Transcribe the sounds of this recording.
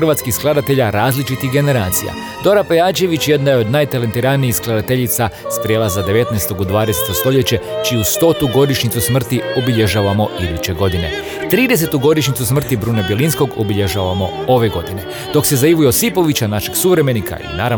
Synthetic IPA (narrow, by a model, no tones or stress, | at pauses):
rʋat̪skisklˠad̪at̪e̞ʎaɾaːzlit͡ʃit̪ixɡe̞ne̞ɾaːt̪sija̰ | d̪o̞ɾapejaːt͡ʃe̞ʋit͡ɕje̞d̪najeo̞d̪naːjt̪alent̪iɾaniixsklˠad̪at̪e̞ʎit̪sast̪ɾjeːlˠazad̪e̞ʋe̞t̪najst̪o̞ɡod̪ʋaːd̪eset̪o̞st̪o̞ʎe̞t͡ɕe̞t͡ʃijust̪o̞t̪uɡo̞d̪iʃɲit̪susmr̩t̪iobiʎeʒaːʋamo̞ʔid̪ut͡ɕe̞ɡo̞d̪ine̞̰ | t̪ɾiːd̪e̞se̞t̪uɡo̞d̪iʃɲit̪susmr̩t̪ibɾuːnabje̞linsko̞ɡobiʎeʒaːʋamo̞o̞ʋe̞ɡo̞d̪ine̞ | d̪̥o̞kse̞zaiʋujo̞sipo̞ʋit͡ɕanaʃeɡsuʋɾe̞me̞nikʰa̰ḭnaːɾa